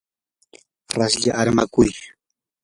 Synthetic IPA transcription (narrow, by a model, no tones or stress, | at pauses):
ɾasʎaʔaɾma̰kʊj